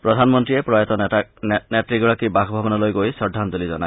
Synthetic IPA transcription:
pɾɔd̪ʱanmɔnt̪ɾiepɾɔjɔt̪ɔ | netɾiɡɔɭakibaɡʰbʱabɔnalojɡojsɔdʱːand̪olizɔnae

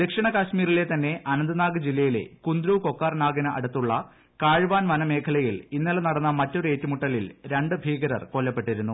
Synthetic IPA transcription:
d̪ekʂɐɳɐkaːɕmiːɾile̞t̪ɐnːe̞ʔɐnɐnd̪ɐnaːɡɐd͡ʑilːɐjile̞̰kund̪ɾuːko̞kːaːrnaːɡɐnɨʔɐ̰ɽut̪ːuɭːɐ | kaːɻʋaːnʋɐnɐme̞ːkʰɐlɐjilinːɐlɐnɐɽɐnːɐmɐtːo̞ɾe̞ːtːumuʈːɐlilɾeɳɖɨbʱiːɡɐɾɐ̰rko̞lːɐpːe̞ʈːiɾunːu

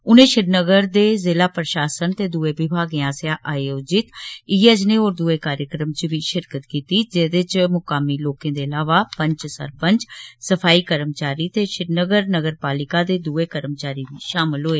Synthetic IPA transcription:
ʊnẽːʃɪɾnəɡəɾd̪eːzeːlaːpɾəʃaːsənt̪eːd̪uːeːbɪbʱaːɡɪãːsɪjaːʔaːjoːd͡ʒɪt̪iɛd͡ʒneːoːɾd̪uːeːkaːɾjəkɾəmt͡ʃʋiːʃɪɾkət̪kiːt̪iːd͡ʒeːd̪ɪt͡ʃmʊkaːmiːloːkẽːd̪eːəlaːʋaːpəɲt͡ʃsə̰ɾpəɲt͡ʃsəpʰaːiːkəɾəmt͡ʃaːɾiːt̪eːʃɪɾnəɡəɾnəɡəɾpaːlɪkaːd̪eːd̪uːeːkəɾmt͡ʃaːɾiːd̪iːʃaːmɪlɦoːeː

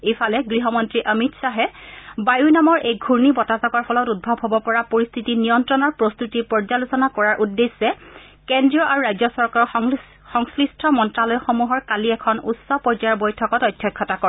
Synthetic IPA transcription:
ejfʰalɛɡɹiɦɔmɔntɹiʔəmitsaɦɛbajunamɔɹʔejɡʱuɹnibɔtazɔkɔɹpʰɔlɔtud̚bʱabʱɦɔbɔpɔɹapoɹist̪ʰitinijɔntɹɔnɔɹpɹɔst̪utipɔɹd͡ʒalusɔnakɔɹaɹʔudːesːɛ | kɛndɹiɔʔaɹuɹajzɔsɔɹkaɹɔ | xɔŋslɹistʰɔmɔntɹalɔjxomuɦɔɹkaliɛkʰɔnṵtsɔpɔɹd͡ʒabojtʰɔkɔtɔjdʰʱjɔkʰːɔtakɔɹɛ

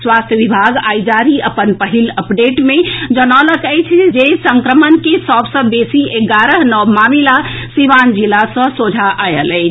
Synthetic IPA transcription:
swast̪ʰjəʋibʱaɡajd͡ʒaɾiəpənpəɦiləpɖeʈmed͡ʒənaləkəjt͡ʃʰd͡ʒesəŋkɾəmənkesəbsə̃besiʔeɡaɾəɦnɔmamilasiʋand͡ʒilasə̃sod͡ʒʱaʔajələjt͡ʃʰ

